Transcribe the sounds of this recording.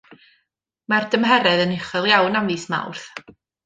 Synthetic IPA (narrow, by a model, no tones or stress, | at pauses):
mard̥əmɦɛɾɛðənɪχɔlˠjawnamviːsma̰wrθ